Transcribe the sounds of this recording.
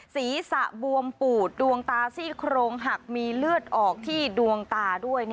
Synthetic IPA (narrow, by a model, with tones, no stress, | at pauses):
siː˩˦sa˨˩ʔbu˧əmpuː˨˩t̪̚du˧əŋt̪aː˧siː˥˩kʰɾoː˧ŋɦa˨˩k̚miː˧lɯ˥˩ət̪̚ʔɔː˨˩k̚t̪ʰiː˥˩du˧əŋt̪aː˧du˥˩əjn